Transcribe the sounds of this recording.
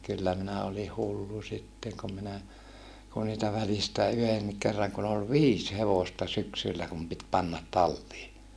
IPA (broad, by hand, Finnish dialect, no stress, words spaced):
kylːæ minæ oli hulːu sitːeŋ kum minæ ku niːtæ ʋælistæˑ yhenːik kerːɑŋ kun ol ʋiːs heʋostɑ syksylːæ kum pit pɑnːɑt tɑlːiː